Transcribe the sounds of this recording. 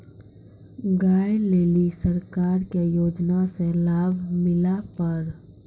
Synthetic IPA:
ɡaːjleːlisəɾkaːɾkejoːd͡ʒnaselaːbʱmɪlapəɾ

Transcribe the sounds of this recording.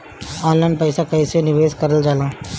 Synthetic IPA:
aːllə̃ɳpɐɪsakɐisenɪʋeːskɐɾəld͡ʒaːlãː

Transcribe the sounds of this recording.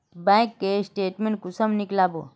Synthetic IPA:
bãkːesʈeːʈmẽɳʈ̚kusəmniklabo̰

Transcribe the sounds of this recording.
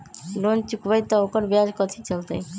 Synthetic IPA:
lont͡ʃukbajt̪ɔokəɾbead͡ʒkɔt̪ʰit͡ʃəlt̪aj

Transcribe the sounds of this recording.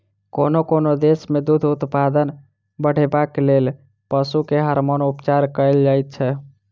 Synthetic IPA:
konokonod̪esmed̪ud̪ʱut̪pad̪ən | bəɽ̤ebakelel | pəsukeɦəɾmonupt͡ʃaɾkəɪld͡ʒajt̪̚t͡ʃʰɛ

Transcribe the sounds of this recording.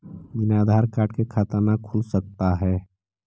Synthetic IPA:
bɪnaːd̪ʱaːɾkaːɾʈkekʰat̪əɾnakʰʊlsək̚t̪aɦɛː

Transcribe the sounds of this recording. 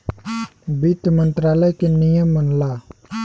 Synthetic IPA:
bit̪mə̃nt̪ɾaːləjkenijəmːənla

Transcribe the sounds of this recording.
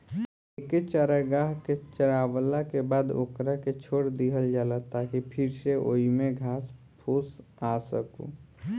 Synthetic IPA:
eket͡ʃaɾəɡaɦket͡ʃəɾaʋəlakebaːd̪o̰kɾaket͡ʃʰoɽd̪iɦəld͡ʒalət̪akipʰiɾseʔo̰imeɡʱas | pʰusasəkṵ

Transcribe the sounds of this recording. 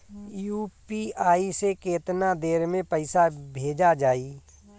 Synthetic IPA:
juːpiaːisekeːt̪nad̪eːɾmẽpəɪsabʱeːd͡ʒad͡ʒaːiː

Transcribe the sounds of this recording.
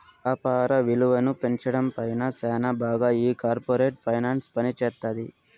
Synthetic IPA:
ɐpaːɾɐʋiluʋɐnupe̞ɲt͡ʃɐɽɐmpɐjnɐsɛːnɐbaːɡaːiːkaːɾpoːɾeːʈ̚pʰɐjnaːnspɐnit͡ʃɛːt̪ːad̪i

